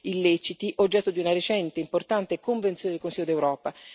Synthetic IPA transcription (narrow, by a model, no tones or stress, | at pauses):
ilːet͡ʃit̪iʔod͡ʒːɛt̪ːod̪iunaɾet͡ʃɛnt̪eimport̪ant̪ekoɱvent̪sjoned̪elkonsiːod̪ewɾɔːpa